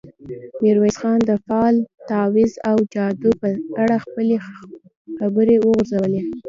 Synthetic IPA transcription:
miɾwejsxɑnd̪əfɑlt̪ɑwɪzawd͡ʒɑd̪opəaɽaxpəle | xabəɾewəɣʊɾzawəle

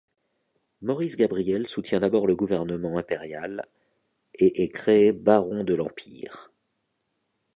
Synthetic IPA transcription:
mɔʁisɡabʁijɛlsut̪jɛ̃d̪abɔʁləɡuvɛʁnəmɑ̃ɛ̃peʁjal | eʔɛkχeebaʁɔ̃d̪əlɑ̃pḭːʁ

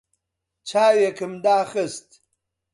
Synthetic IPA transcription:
t͡ʃʰaːjekəmd̪aːxəst̪

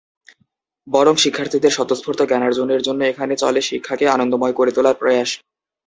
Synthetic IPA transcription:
bɔɾoŋʃikʰːaɾt̪ʰid̪eɾʃɔt̪ospʰoɾt̪ʰokɛnaɾd͡ʑoneɾd͡ʑonːoekʰanet͡ɕɔ̰leʃikʰːakeanond̪omɔekoɾet̪ulaɾpɾoeaʃ

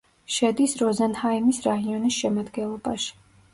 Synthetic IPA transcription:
ʃɛd̪isɾɔzɛnhaimisɾaɦiɔnisʃɛmad̪ɡɛnlˠɔbaʃi̥

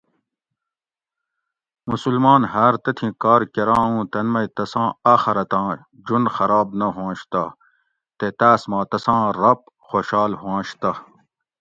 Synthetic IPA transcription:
musulmɑːnɦɐɾt̪ɐt̪ʰĩːkɑːɾkeɾãːũːt̪ɐnmɐjt̪ɐsãːaːxɐɾɐt̪ãː | d͡ʑunxɐɾaːbnɐɦãːɕt̪ɐ | t̪et̪aːsmɑːt̪ɐsãːɾɐp̚ | xoɕɑːlɦwãːɕt̪ɐ

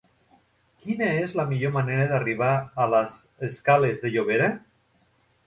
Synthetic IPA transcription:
kinaezlamiʎomaneɾaðariβ̞aːlaz | eskalezðeʎoβ̞eɾa

